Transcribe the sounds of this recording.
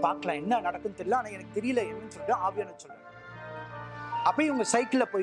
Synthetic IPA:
paːɾkɐlãːɛnːɐnɐɽɐkːɯnt̪ɛɾɪlːãːnãːɛnɐkːɯt̪ɛɾɪjɪlɐɪɾnsɔɾːɯ̃aːʋɪjaːnɐsɔlːɯŋ | ɐpːɐɽiʊŋɡɐsɐɪkːɪlɐpoː

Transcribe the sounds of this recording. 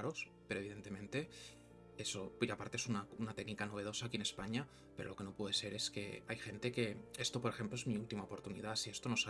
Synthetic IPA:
ɾospe̞ɾoeβiðe̞nt̪e̞mẽ̞nt̪e̞ | esopʝapaɾt̪eesunaunat̪e̞knikano̞β̞e̞ð̞o̞sakiene̞spaɲa | pe̞ɾolo̞ke̞no̞pweðe̞se̞ɾe̞ske̞̰ajxe̞nt̪e̞ke̞e̞st̪o̞po̞ɾe̞xe̞mploe̞zmiult̪imaopo̞ɾt̪unḭðasie̞st̪o̞no̞sa

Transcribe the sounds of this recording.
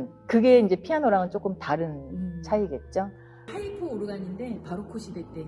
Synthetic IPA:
kɯɡe̞ind͡ʑe̞pʰianoɾaŋɯnt͡ɕ͈ok͈ɯmtaɾɯnt͡ɕʰaiɡe̞t̚t͡ɕ͈o | aipʰoːɾɯɡaɲinde̞paɾokʰoɕʰibet͈e

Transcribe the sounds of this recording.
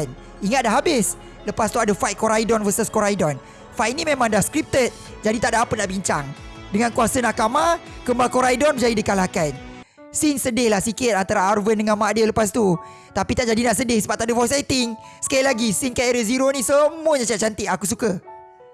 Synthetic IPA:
n | iŋat̪̚daɦabɪs | ləpast̪uadəfajt̪̚kːoɾajdɔnvəsəskoɾajdɔn | fajʔ̚nĩmẽmãŋdahskɾip̚t̪ət̪̚ | d͡ʒadit̪aʔdaapənaʔbiɲt͡ʃaŋ | dəŋãnkuasənakamakəmbakoɾajdɔnbəd͡ʒadidikalakan | sinsədɪhlahsikɪt̪̚ant̪aɾaːrvəndəŋãnmadələpas̬t̪u | t̪apit̪aʔd͡ʒadinaʔsədɪhsəbap̚t̪aʔdəfɔjsajt̪ɪŋ | sə̥kailaɡisinkaiɾəziɾonĩsəmuəɲat͡ʃat͡ʃant̪ɪʔakus̬ukə

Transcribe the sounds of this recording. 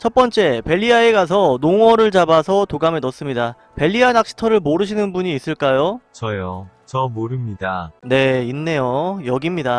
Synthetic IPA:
t͡ɕʰʌp̚p͈ʌnt͡ɕ͈e̞pe̞ʎːiaeɡas̬ʰʌnoŋwʌɾɯɭt͡ɕabasʰʌtoɡamenʌs͈ɯmɲida | pe̞ʎːianak̚ɕ͈ʰi̥tʰʌɾɯɭmoɾɯɕʰinɯnbuɲiːs͈ɯɭk͈ajot͡ɕʌjo | t͡ɕʌmoɾɯmɲidane̞inːe̞jojʌɡimɲida

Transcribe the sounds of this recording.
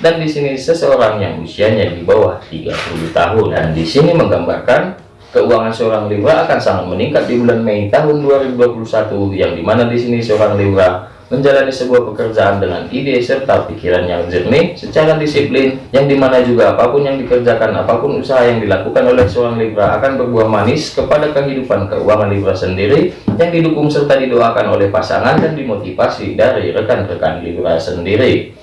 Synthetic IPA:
dandisinisəsəoɾaŋja̰ŋṵsiaɲadibawaht̪ḭɡa̰puluht̪a̰ɦʊnda̰ndisiniməŋɡamba̰rkan | kəuaŋansəoɾaŋlibɾaːkansaŋat̪̚məniŋkat̪̚dibulanmeit̪aɦʊnduaɾibuduapulusat̪ujaŋdimanadisinisəoɾaŋlibɾa | məɲd͡ʒalanisəbuahpəkərd͡ʒaʔandəŋa̰nidesərt̪apikiɾanɲad͡ʒərnisət͡ʃaɾadisiplɪnjaŋdimanad͡ʒuɡaːpapʊnjaŋdikərd͡ʒakana̰papʊnusaɦajaŋdilakukanolɛhsəoɾaŋlibɾaa̰kanbərbuahmanɪskəpadakəɦidupankə̰ṵaŋanlibɾasəndiɾi | jaŋdidukʊŋsərt̪adidoakanolɛhpasa̰ŋandandimot̪ifasidaɾiɾəkanrəka̰nlibɾa̰səndiɾi

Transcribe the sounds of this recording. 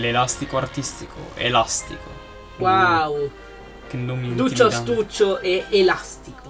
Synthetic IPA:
lelast̪ikoart̪ist̪ikʰo̰ḛlast̪iko̰ | waww | kenːomːid̪ut͡ʃːoast̪ut͡ʃːoʔɛelast̪iko

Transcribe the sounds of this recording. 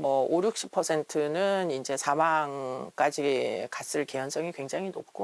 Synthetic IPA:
mʌoɾjuk̚ɕ͈i̥pʰʌsʰe̞ntʰɯnɯnind͡ʑe̞sʰamaŋk͈ad͡ʑikas͈ɯɭke̞jʌns͈ʌŋikwe̞ŋd͡ʑaŋinop̚k͈o

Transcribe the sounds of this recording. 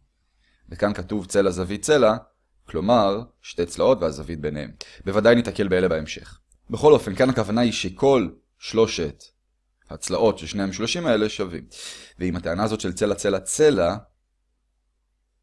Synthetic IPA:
vekankatuvt͡se̞lazavit̚t͡se̞la | klo̞maʁ | ʃtejt͡slao̞tveazavit̚be̞nehe̞̰mbevadajnitake̞lbeelebaemʃe̞̰χ | beχo̞lo̞fe̞nkanhakavanaiʃe̞kʰo̞l | ʃlo̞ʃet | hat͡slaʔo̞tʃelʃnehaemʃlo̞ʃimae̞le̞ʃavḭmveimhateanaːzo̞tʃe̞lt͡se̞lat͡se̞lat͡sela

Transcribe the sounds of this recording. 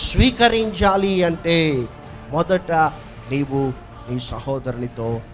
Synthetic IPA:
sʋiːkɐɾiɲd͡ʒaːliɐɳʈeː | mɔd̪ɐʈɐ | niːʋu | niːsɐhɔːd̪ɐɾɐɳit̪oː

